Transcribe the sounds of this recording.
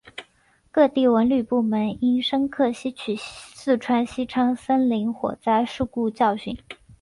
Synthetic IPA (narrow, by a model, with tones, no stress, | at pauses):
kɤ˥˧t̪i˥˩wə˧˥nly˥˩pu˥˩mə˧˥ni˥nʂə˥ŋkʰɤ˥˩ɕi˥t͡ɕʰy˨˩sɹ̩˥˩ʈ͡ʂʰwa˥nɕi˥ʈ͡ʂʰɑ˥ŋsə˥nli˧˥ŋxwɔ̰˨˩t͡sa˥˧ɪʂu˥˧ku˥˧t͡ɕjɑ˥˧ʊɕy̰˨˩˦n